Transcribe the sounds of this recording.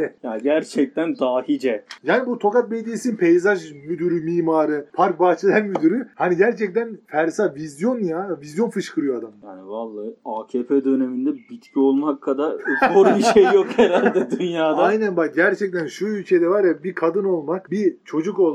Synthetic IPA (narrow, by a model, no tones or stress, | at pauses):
ɛjaɟæɾt͡ʃʰɛc̚t̪ʰænd̪aːhid͡ʒɛjaːnibut̪ʰo̞kat̪̚bed̪ijːsinpʰejzaʒmyd̪yɾymiːmaːɾɯpʰaɾk̚baːt͡ʃʰɯlˠɛɾmyd̪yɾyhaniɟæɾt͡ʃʰɛc̚t̪ænfæɾsavizjo̞njavizjo̞nfɯʃkʰɯɾɯjoad̪amjaːnivalˠːaːaːcʰepʰɛd̪ø̞nemind̪ɛbit̪cʰio̞lˠmakʰːad̪aɾupʰuɾbiʃejjokheɾalʲd̪ɛd̪ynjaːd̪aajnænbak̚ɟæɾt͡ʃʰɛc̚t̪ʰænʃuylʲcʰed̪ɛvaɾjabikʰad̪ɯno̞lˠmakbit͡ʃʰo̞d͡ʒuko